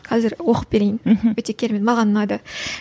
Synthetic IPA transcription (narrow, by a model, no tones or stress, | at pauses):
qʰɑzɪɾwo̞qəp̚b̥e̞ɾe̞jɪnwɵt̪e̞kʲʰe̞ɾemet̪mɑʁɑnːnɑd̪ə